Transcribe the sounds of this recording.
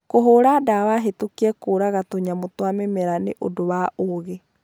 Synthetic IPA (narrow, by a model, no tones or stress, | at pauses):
koɦoːɾadawaɦetokiɛkoɾaɣatoɲamotwamemɛɾaneʔo̰dowaʔoɣe